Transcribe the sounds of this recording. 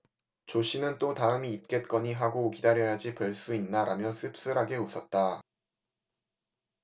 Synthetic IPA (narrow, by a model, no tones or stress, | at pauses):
t͡ɕoɕ͈ʰinɯnt͈otaɯmiːt̚k͈e̞t̚k͈ʌɲiɦaɡokidaɾjʌjad͡ʑipʌɭs͈uinːaɾamjʌnsʰɯp̚s͈ɯɾɦaɡe̞usʰʌt̚t͈a